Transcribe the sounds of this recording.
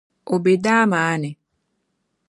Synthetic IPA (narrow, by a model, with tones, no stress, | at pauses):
o˨be˨daː˦maː˨˦ne˨